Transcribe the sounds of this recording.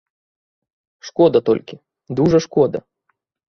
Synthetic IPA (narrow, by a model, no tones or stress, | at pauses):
ʂkɔd̪ɐt̪ɔ̰lʲkʲi | d̪uʐɐʂkɔd̪ɐ̰